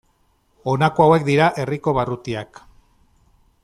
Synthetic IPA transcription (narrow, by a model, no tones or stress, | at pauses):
o̞nakoawe̞k̚d̪iɾaʔe̞riko̞βarut̪iak